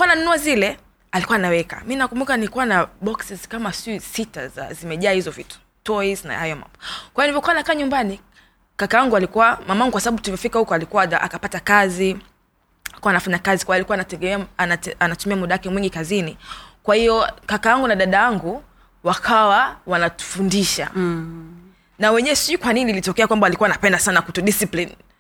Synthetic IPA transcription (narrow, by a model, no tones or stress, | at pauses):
kuananunuazilɛ | alikuwaːnawɛka̰mininakumbukanikuwanaɓɔksizkamasisita̰za̰zimɛʄaːhizɔvitu̥ | tɔizna̰hajɔma̰mbɔkwaijnivɔkuwanakaːɲumbani | kakawaŋɡualikuwamamaaŋɡukwasaɓaɓutulivɔfikahukɔalikuwaaʔa̰kapatakazi | alikuwanafaɲakazikwajalikuanatɛɛmɛaanaanatumiamuɗawakɛmwiŋɡikazinikwahijɔkakajaŋɡunaɗaɗajaŋɡu | wakʰawawanatu̥fundiʃa̰ | nawɛɲɛwɛsikwaninilitɔkɛakwambalikuwanapɛndasanakutɔɗisiplin